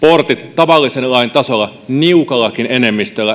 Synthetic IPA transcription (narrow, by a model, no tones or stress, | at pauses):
port̪it̪ːɑʋɑlːisenlɑint̪ɑsolːɑ | niukɑlːɑkinene̞mːist̪ølːæ